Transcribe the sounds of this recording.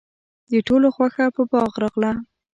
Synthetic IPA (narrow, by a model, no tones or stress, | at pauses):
d̪əʈoloxwaxapəbɑɣɾɑɣla